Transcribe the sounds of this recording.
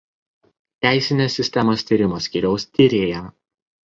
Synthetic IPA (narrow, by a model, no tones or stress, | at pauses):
t̪ʲæˑɪsʲɪnʲesːʲɪsʲt̪ʲɛmost̪ʲiːɾʲɪmoːsʲkʲiːɾʲɛʊst̪ʲiɾʲeːjɛ